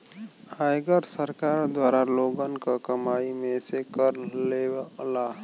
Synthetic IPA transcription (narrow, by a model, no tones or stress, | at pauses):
ajɡəɾsəɾkaɾd̪waɾaloɡənkakəmaimẽsekəɾlela